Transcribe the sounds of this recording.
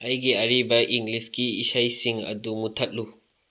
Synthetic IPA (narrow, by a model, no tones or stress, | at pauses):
ɐjɡiɐɾibɐʔiŋɡliskiːsajsiŋɐ̰dumutʰɐt̚lu